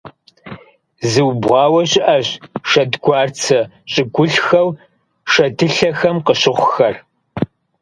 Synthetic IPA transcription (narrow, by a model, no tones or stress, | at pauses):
zɨwbʁɑːwɐɕɪʔɐɕʃɐdɡʷɑːrt͡sʰɐ | ɕʼɪɡʷʊɬxɐw | ʃɐtʰɨɬɐxɐmqəɕɪχʷʊxɐr